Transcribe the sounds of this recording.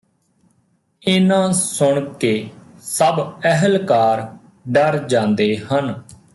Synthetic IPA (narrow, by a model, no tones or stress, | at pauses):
ɪnãːsʊɳkeːsəbəɦəlkaːɾ | ɖəɾd͡ʒãːnd̪eːhən